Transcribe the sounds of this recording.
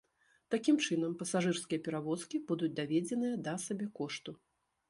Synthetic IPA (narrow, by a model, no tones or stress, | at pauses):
t̪akʲimt͡ʂɨn̪ɐmpɐsaʐɨrskʲijɐpʲɛɾavɔskʲibud̪ut͡sʲd̪avʲed͡zʲɛnɨjɐd̪ɐsabʲɛkɔʂt̪u